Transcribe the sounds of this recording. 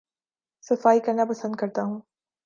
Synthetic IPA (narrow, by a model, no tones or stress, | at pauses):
sɐfaːikɐɾnapɐsə̃nd̪̚kɐɾt̪aɦũː